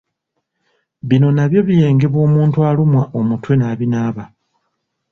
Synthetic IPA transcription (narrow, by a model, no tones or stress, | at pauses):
βino̞naβjo̞βije̞ːŋɡe̞βwo̞ːmuːntwalumwaʔomutwe̞naːβinaːβa